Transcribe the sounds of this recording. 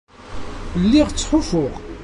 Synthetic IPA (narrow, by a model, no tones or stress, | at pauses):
lːiʁt͡sːħʊfʊʁ